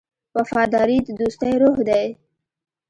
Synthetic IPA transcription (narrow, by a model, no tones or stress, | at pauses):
wafɑːd̪ɑɾit̪d̪ust̪ajɾoɦd̪aj